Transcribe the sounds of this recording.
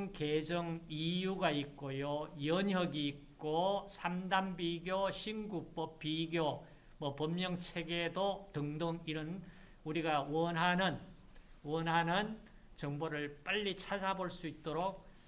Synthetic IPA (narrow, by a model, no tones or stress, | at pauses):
ŋked͡ʑʌŋijuɡaik̚k͈ojojʌɲjʌɡiːt̚k͈osʰamdambiɡjoɕʰinɡup͈ʌp̚piɡjo | mʌpʌmːjʌŋt͡ɕʰeɡedotɯŋdoŋiɾʌn | uɾiɡawʌnɦanɯn | wʌnɦanɯn | t͡ɕʌŋboɾɯɭp͈aʎːit͡ɕʰad͡ʑaboɭs͈uit̚t͈oɾok̚